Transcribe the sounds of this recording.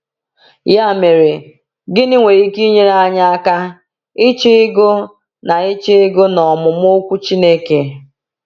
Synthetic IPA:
ja˦˨me˨ɾe˨ | ɡɪ˦nɪ˦ŋʷe˨i˦ki˦ɲe˦ɾa˦ɲa˦a˦ka˦ | ɪ˦t͡ʃɪ˦ɪ˦ɡo˦ | na˨ɪ˦t͡ʃɪ˦ɡʊ˦nɔ˨mʊ˨m˦ʊ˦o˦kʷu˦t͡ʃi˦ne˦ke˨

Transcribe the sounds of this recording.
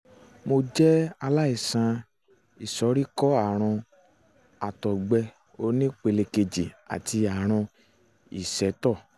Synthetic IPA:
mo˧d͡ʒɛ˦a˧la˦i˦˨sã˧ | i˨sɔ˨˦ɾi˦kɔ˦a˦˨ɾ̃ɔ̃˧ | a˨tɔ˨ɡ͡bɛ˧ | o˧˦nĩ˦k͡pe˧le˧ke˧d͡ʒi˨a̰˨ti˧a˨ɾ̃ɔ̃˧ | ḭ˦˨sɛ˨˦tɔ˦˨

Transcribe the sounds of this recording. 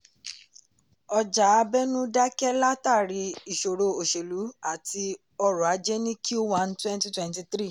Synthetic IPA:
ɔ˧d͡ʒa˨˦a˧bɛ˦nũ˦da˦kɛ˦la˦ta˦˨ɾi˧i˨ʃo˨ɾo˧o˨ʃe˨lu˨˦a˦˨ti˧ | ɔ˧ɾũ˨a˨˧˦d͡ʒɛ˦nĩ˦kʰo˦wã˧ntwɛ̃˦nti˦twɛ̃˦nti˧tɾi˦˨

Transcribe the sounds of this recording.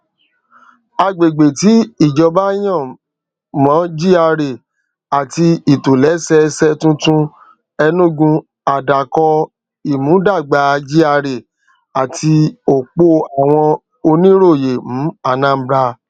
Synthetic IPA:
a˧ɡ͡be˨ɡ͡be˨ti˨˦i˦˨d͡ʒɔ˧ba˦j̃ɔ̃˦˨ | mɔ̃˨˦d͡ʒi˦a˧ɾe˨ | a˨ti˧i˨to˨lɛ˨˦sɛ˧sɛ˧tũ˦tũ˦ | ɛ˧nũ˦ɡũ˧ | a˨da˨kɔ˧ | i˨mũ˨˦da˦˨ɡ͡ba˨˦d͡ʒi˦a˧ɾe˨ | a˨tʰi˧o˨k͡po˧˦a˨w̃ɔ̃˧ | o˧nĩ˦ɾo˦˨je˨m̩̃˨˦a˧˨nã˦m̩˦bɾa˧

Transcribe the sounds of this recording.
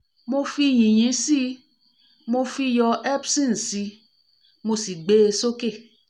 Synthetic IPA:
mo˧fi˧j̃ĩ˨j̃ĩ˨˦si˦ | mo˧fi˧jɔ˧ʔɛ˦bsĩ˦n̩˨si˧ | mo˧si˨ɡ͡be˦˧so˦ke˦˨

